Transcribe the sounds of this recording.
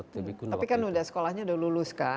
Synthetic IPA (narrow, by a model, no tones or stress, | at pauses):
t̪ikuapikanudahsə̥kolahɲaudalulʊska